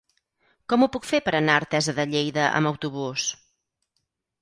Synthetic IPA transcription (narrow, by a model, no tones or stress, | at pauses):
kɔmupukfepəɾənaəɾt̪ɛzəðəʎejðəʔə̰məwt̪uβ̞us